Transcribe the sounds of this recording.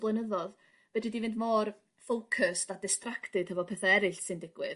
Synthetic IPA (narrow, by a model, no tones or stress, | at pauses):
blˠənəðɔð | vɛdɪdivɪndmɔr | fowkʰəstadɪstraktɨd̥hɛvɔpʰɛθaɛɾɨɬsɨndɪɡ̥wɪð